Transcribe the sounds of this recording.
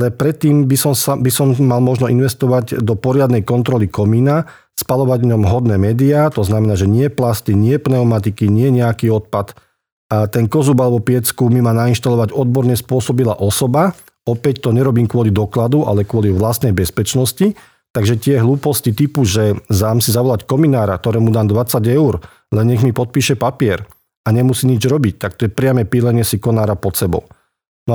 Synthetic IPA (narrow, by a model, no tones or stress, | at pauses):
alɛpɾɛt̪ːiːmbisɔmsabisɔmːalmɔʒnɔinʋɛst̪ɔʋaɟd̪ɔpɔɾɪad̪nɛjkɔnt̪ɾɔlikɔmiːna | spalɔʋaɟvɲɔmɦɔd̪nɛːmɛːd̪iaːt̪ɔznamɛnaːʒɛɲɪɛplast̪iɲɪɛpnɛɔmat̪̬ikiɲɪɛɲɛakiːɔt̪̚pat̪ | t̪ɛnkɔzubalɛbɔpɪɛt͡skumimanainʃt̪alɔʋaɟɔd̪bɔɾɲɛspʊɔsɔbila̰ʔɔsɔba | ɔpɛct̪ɔɲɛɾɔbiːmkʊɔlid̪ɔklad̪uʔa̰lɛkʊɔliʋlast̪nɛjbɛspɛt͡ʃnɔsci | t̪aɡʒɛt̪ɪɛɦluːpɔscit̪ipuʒɛzaːmsizaʋɔlackɔminaːɾa̰k̚t̪ɔɾɛːmud̪aːnd̪ʋat͡saɟɛuɾ | lɛnɲɛɣmipɔt̪̚piːʃɛpapɪɛɾ | aɲɛmusiːɲid͡ʒɾɔbic̚t̪ak̚t̪ɔjɛpɾɪamɛpilɛɲɪɛsikɔnaːɾapɔt̪sɛbɔ̰ʊ | nɔ